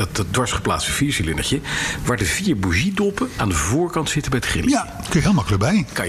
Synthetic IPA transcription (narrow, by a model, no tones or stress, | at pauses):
tdʋɑɹsχə̥pla̰ːtsə̥fiːɹsilɪnəɹcəʋaːɹdəviːɹbuʒidolˠpəna̰ːndəvʊːɹkɑntsɪtəbɛjtχrɪ̰lja | kɪɦelˠmɑkələk̚bɛjkɑ